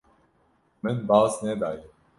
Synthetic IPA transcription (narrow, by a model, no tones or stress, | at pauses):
mɪnbaːzneːd̪aːje